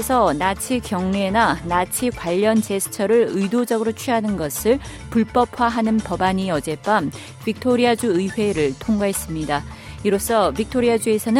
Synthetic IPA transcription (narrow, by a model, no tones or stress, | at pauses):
esʰʌnat͡ɕʰikjʌŋne̞nanat͡ɕʰikwaʎːʌnt͡ɕe̞sʰɯ̥t͡ɕʰʌɾɯɭɯidod͡ʑʌɡɯɾot͡ɕʰɥiɦanɯnɡʌsʰɯɭ | puɭp͈ʌpʰwaɦanɯnpʌbaɲiʌd͡ʑe̞p͈am | pik̚tʰoɾiad͡ʑuɯiɸwe̞ɾɯɭtʰoŋɡwaɦe̞s͈ɯmɲida | iɾos͈ʌbik̚tʰoɾiad͡ʑue̞sʰʌnɯ